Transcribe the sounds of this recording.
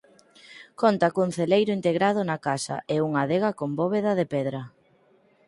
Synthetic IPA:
kont̪akoŋ̟θelejɾʊint̪eɣɾað̞ʊnakasɐ̰ʔɛuŋaðeɣakombɔβeðɐðepɛðɾɐ

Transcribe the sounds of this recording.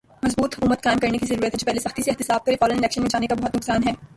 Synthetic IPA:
mɐzbuːt̪ɦʊkuːmət̪̚kaːɪmkɐɾnekizɐɾuːɾət̪ɦɛd͡ʒopɛːɦlesɐxt̪iseɪɦt̪ɪsaːb̚kɐɾefɔːlonɪlɛːkʃənmẽd͡ʒaːnekabɐɦʊt̪nʊksaːnɦɛː

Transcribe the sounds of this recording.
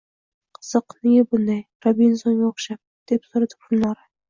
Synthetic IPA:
qʰɨ̥z̥ɨqnɪjabʊnd̪ajɾabinsonɡʲaoχʃap̚d̪̥epsoɾat̪ʰɪ̥p̚ʊnlˠaɾɪ

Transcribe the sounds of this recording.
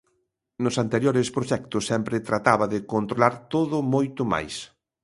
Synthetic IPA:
nʊsant̪eɾjoɾɪspɾoʃɛk̚t̪ʊsːɛmpɾɪt̪ɾat̪aβɐðɪkont̪ɾolaɾt̪oðʊmojt̪ʊma̰js

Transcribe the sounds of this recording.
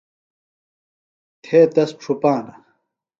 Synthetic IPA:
t̪ʰeːt̪ɐsʈ͡ʂʰupaːnɐ

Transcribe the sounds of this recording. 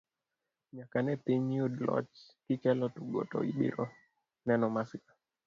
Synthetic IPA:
ɲakanɛpiɲiudlɔ̰t͡ʃ | kikɛlɔtuɡɔ̰tɔ̰ḭɓḭɾɔ | nɛnɔmasika

